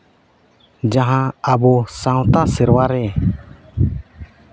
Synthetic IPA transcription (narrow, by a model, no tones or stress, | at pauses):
d͡ʒaɦãabɔsãw̃t̪asɛɾwaɾɛ